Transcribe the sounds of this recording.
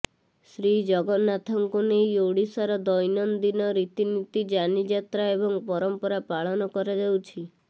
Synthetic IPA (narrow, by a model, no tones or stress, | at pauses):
sɾid͡ʒɔɡɔnat̪ʰɔŋkunejoɽisaɾɔd̪ɔjnɔnd̪inɔɾit̪init̪id͡ʒanid͡ʒat̪ɾaebɔŋpɔɾɔmpɔɾapaɭɔnɔkɔɾed͡ʒawt͡ʃʰi